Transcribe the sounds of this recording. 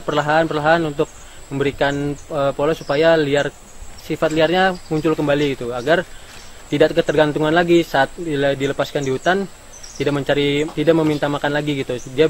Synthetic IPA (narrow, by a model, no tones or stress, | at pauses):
pərlaɦaːnpərlaɦaːnunt̪ʊk̚ | məmbəɾikanəpolosupajaliar | sifat̪liarɲamuɲt͡ʃʊlkəmbaliɡit̪uaɡar | t̪idaʔkət̪ərɡant̪uŋanlaɡisaːt̪̚ladiləpaskandihut̪an | t̪idaʔməɲt͡ʃaɾit̪idaʔ̚məmint̪amakanlaɡiɡit̪udia